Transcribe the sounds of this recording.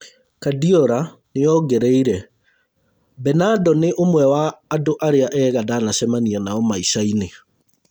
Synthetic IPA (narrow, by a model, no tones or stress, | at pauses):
kadiɔɾa | nejɔɡɛɾɛiɾɛ | bɛnadɔneʔomwɛwaːdoʔaɾeaʔɛɣadanaɕɛmanianaɔmaiʃaine